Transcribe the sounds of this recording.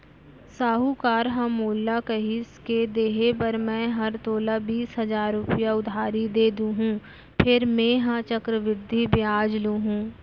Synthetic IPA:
saːɦukaːɾɦãmoːlːakəɦɪsked̪eːɦepɐɾmɛ̃ːɦɐɾt̪oːlabiːsɦɐzaːɾːʊpɪjaʊd̪ʱaːɾid̪eːd̪ũɦũː | pʰɪɾmẽːɦãt͡ʃəkɾəʋɪd̪ʱːibjaːd͡ʒlũɦũː

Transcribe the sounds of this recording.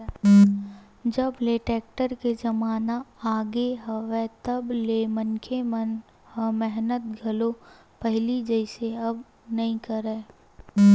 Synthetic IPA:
d͡ʒəbleʈeːk̚ʈəɾked͡ʒɐmaːnaaːɡeɦəʋɛ̃t̪ɐblemənkʰemən | həmɛɦnət̪̚ɡʱəlo | pɛɦlid͡ʒəɪseɐb | nɐĩkəɾeː

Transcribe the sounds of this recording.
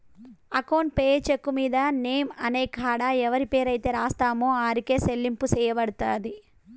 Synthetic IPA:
ɐkoːnpeːt͡ʃekːumiːd̪ɐneːmɐneːkʰaːɽaɛʋɐɾipe̞ːɾɐjt̪e̞ːɾaːst̪aːmoːaːɾike̞ːselːimpusɛːjɐʋɐɽut̪aːd̪i

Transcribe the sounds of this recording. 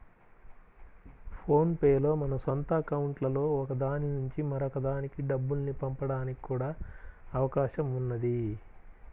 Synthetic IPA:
pʰo̞ːnpeːlo̞ːmɐnɐsɔnt̪ɐːkɐwuɳʈlɐlo̞ːɔkɐd̪aːninuɲt͡ʃimɐɾɔkɐd̪aːnikiɖɐbːulnipɐmpɐɽaːniki̥kuːɽaːɐʋɐkaːʃɐmunːɐd̪i

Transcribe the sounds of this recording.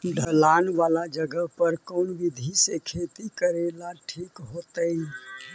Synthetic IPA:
ɖʱəlanʋalad͡ʒəɡəɦpəɾkəʊnʋid̪ʱisekʰet̪ikəɾelaʈʰikɦot̪ə

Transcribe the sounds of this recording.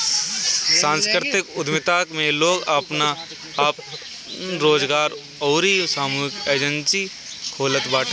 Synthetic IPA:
sãːnskɾɪt̪ɪkʊd̪mɪt̪aːkmẽloːɡapna | p | ɾoːd͡ʒɡaːɾ | ɔːɾisaːmuːɪkeːd͡ʒə̃nsi | kʰoːlət̪baːʈː

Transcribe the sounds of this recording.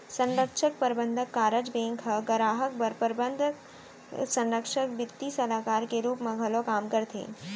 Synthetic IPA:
sɐ̃nɾəkʂək̚pɐɾbənd̪ʱəkːaːɾəd͡ʒbẽːŋkʰɐɡɐɾaːɦək̚bɐɾpəɾbənd̪ʱk | sɐ̃nɾəkʂək̚bɪt̪ːisɐlaːkaːɾkeɾuːpmẽɡʱɐlokaːmkəɾt̪ʰḛː

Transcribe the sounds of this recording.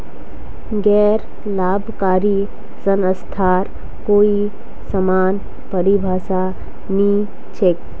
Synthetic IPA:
ɡɛːɾ | laːbʱkaːɾi | sənəst̪ʰaːɾ | koːi | səmaːn | pəɾibʱaːsa | ni | t͡ʃʰek̚

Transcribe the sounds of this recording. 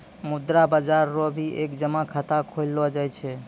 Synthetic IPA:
mud̪ɾabad͡ʒaɾːobʱiʔekd͡ʒəmakʰat̪akʰojlːɔd͡ʒajt͡ʃʰɛ

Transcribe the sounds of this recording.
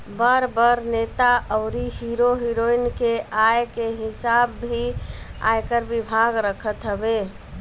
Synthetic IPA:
bəɾbəɾnet̪aʔəʊɾiɦiɾoɦiɾoinkeajkeɦisabːʱia̰jkəɾbibʱaɡɾəkʰət̪ɦəbe

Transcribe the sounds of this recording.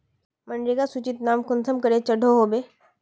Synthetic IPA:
məɳɖɾikasut͡ʃit̪naːmkʊnsʰəmkəɾet͡ʃəɖʱoɦobe

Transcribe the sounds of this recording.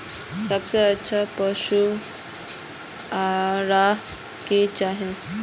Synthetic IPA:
səbseətːʃʰapəʃu | aɾaɦ | ket͡ʃaːɦẽ

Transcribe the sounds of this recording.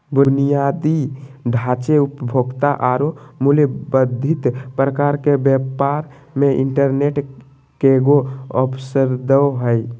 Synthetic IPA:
bunijad̪iɖʱat͡ʃeupəbʱoɡt̪aʔaɾomulebəd̪ʱit̪pɾəkaɾkebjəpaɾ | meʔḭɳʈəɾneʈ | keɡoə̰pʰsəɾd̪əɦəj

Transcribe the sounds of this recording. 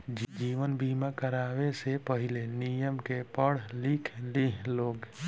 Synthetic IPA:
d͡ʒd͡ʒiːʋənbiːmakəɾaːʋesepəɦɪlenijəmkepəɽ̤likʰliloːɡ

